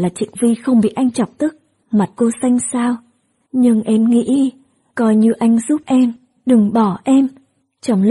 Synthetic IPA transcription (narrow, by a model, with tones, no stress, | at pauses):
laː˨˩t͡ɕḭ˧˨ŋvi˧xə˧wŋ͡mɓḭ˧˨ʔa˧jŋ̟t͡ɕɔ˨˩wk͡p̚t̪ɨ˦˥k̚ | ma˨˩t̚ko˧sa˧jŋ̟saː˧w | ɲɨ˧ŋʔɛ˧mŋḭ˧˥ | kɔ˧jɲɨ˧ʔa˧jŋ̟zu˦˥p̚ʔɛ˧m | ɗɨ˨˩ŋɓɔ˧˩ʔɛ˧m | t͡ɕɔ˨˩ŋ͡ml